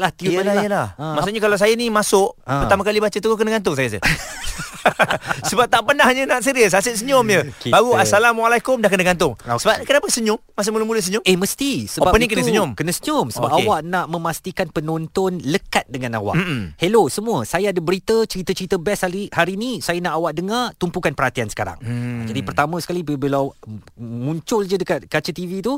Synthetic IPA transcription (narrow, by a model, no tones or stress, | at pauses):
laht̪iajəlahmaʔsuʔɲəkalaws̬ajanimasʊʔərt̪amãkalibat͡ʃət̪əɡokənaɡant̪̬ʊŋsajasə̰ | səbap̚t̪aʔpənahɲənaʔsəɾiəs̬asəʔ̪̚s̬əɲʊmjəbaɡuasalamwalajkʊmdahkənaɡant̪ʊŋsəbapkənapəsəɲʊmːas̬ʊmuləmuləsəɲʊmehməst̪isəbbapənnikənəɲʊmkənəsəɲʊmsəbapʔawaʔnãʔmə̃mast̪ikanpənɔ̃nt̪ɔnləkat̪̚dəŋãnawa̰ʔhelosəmũəsajaːdabəɾit̪ət͡ʃəɾit̪ət͡ʃəɾit̪əbɛsaihaɾinĩsajanaʔawaʔdəŋat̪umpukanpərɾhat̪iansə̥kaɾa̰ŋa̰d͡ʒadipərt̪amə̃sə̥kalibbilaw | mũɲt͡ʃʊld͡ʒədəkat̪̚kat͡ʃət̪ivit̪u